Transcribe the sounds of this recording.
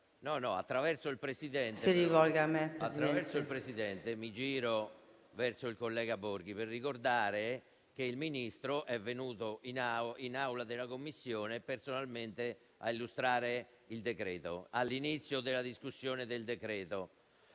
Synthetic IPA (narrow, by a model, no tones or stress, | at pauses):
nɔnɔa̰t̪ːɾavɛrsoilpɾesid̪ɛntsiɾivɔlɡamepɾast̪ːɾavɛɾsoilpɾesid̪ɛnt̪emid͡ʒiːɾo | vɛrsoilkolːɛːɡaboɾɡ̟iperːikord̪aːɾe | k̟eilminist̪ɾoʔɛvːenuːt̪oʔinainawlad̪elakomːisːjoːnepersonalment̪e | a̰ilːust̪ɾaːɾe | ild̪ekɾɛːt̪oalːinit̪sːjod̪elːad̪iskusːjoːned̪eld̪ekɾɛːt̪o